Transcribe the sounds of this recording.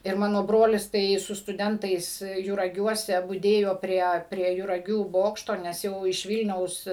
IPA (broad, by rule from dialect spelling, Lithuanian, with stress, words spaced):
ɪr ˈmɑːnoː ˈbroːlʲɪs tɐɪ sʊ stʊˈdʲɛntɐɪs jʊrɐˈɡʲuɔsʲɛ bʊˈdʲeːjoː ˈpʲrʲiɛ pʲrʲiɛ jʊrɐˈɡʲuː ˈboːkʃtoː nʲɛs ˈjɛʊ ɪʃ ˈʋʲiːlʲnʲɛʊs